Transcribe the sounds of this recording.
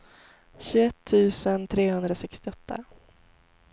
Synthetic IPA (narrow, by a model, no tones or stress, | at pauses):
ɕɵɛt̪ʰːʉ̟ːsənt̪ʰɾeːhɵnd̪ɾasɛkst̪ɪɔt̪ʰːa̰